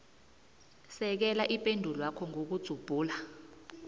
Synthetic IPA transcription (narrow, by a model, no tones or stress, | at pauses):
sɛk̬ɛlaʔipʼendʱulɔakʰɔŋok̬ud̥z̥ʱub̥ʱuːla